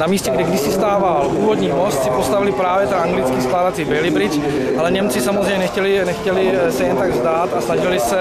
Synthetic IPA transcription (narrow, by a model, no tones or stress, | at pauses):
namiːscɛɡdɛɡdɪsɪst̪aːvalʔuːvod̪ɲiːmo̞st̪sɪpost̪avɪlɪpɾaːvjɛt̪aaŋɡlɪt͡skiːskladat͡sɪbɛlɪbɾɪt͡ʃ | ʔalɛɲɛmt͡sɪsamozrejɲɛnɛxcɛlɪnɛxcɛlɪsɛjɛnt̪aɡzd̪aːt̪asnaʒɪlɪsɛ